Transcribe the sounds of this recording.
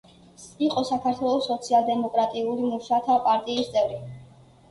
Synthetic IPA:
iqʼɔsakʰaɾt̪ʰwɛlˠɔsɔt̪sʰialˠd̪ɛmɔkʼɾat̪ʼiulimuʃat̪ʰapʼaɾt̪ʼiːst̪sʼɛvɾi

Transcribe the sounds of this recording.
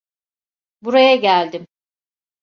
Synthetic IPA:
buɾajaɟælʲd̪ɪm

